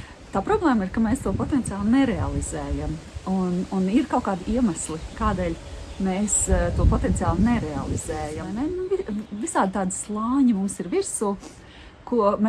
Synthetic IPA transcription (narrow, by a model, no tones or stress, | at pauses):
t̪aːpɾɔblˠeːmiɾkameːst̪uɔpɔt̪ɛnt̪sijaːlˠnɛɾɛalˠizɛːjamununiɾkawkaːd̪iɛmaslˠikaːd̪ɛːlʲmeːst̪uɔpɔt̪ɛnt̪sijaːlˠnɛɾɛa̰lˠiz̥ɛːjanɛnuvivisaːd̪̚t̪aːd̪slˠɑːɲmumsiɾviɾsuː | kuɔm